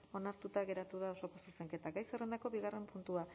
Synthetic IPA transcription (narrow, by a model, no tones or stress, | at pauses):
o̞naɾt̪ut̪aɣe̞ɾat̪uðao̞sokosuɾseŋke̞t̪aɡajsere̞nd̪ako̞βiɣare̞mpunt̪ua